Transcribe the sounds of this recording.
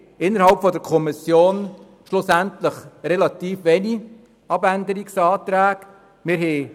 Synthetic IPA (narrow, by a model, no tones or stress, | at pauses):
ɪnːəɾhɑlpfɔdəɾkʰɔmɪsjoːn | ʃlʊsæntləχɾɛlɑt̪iːfʋɛni | ɑbænd̪əɾiksɑːt̪ɾæːɡ̥ | mɪːɾɦɛ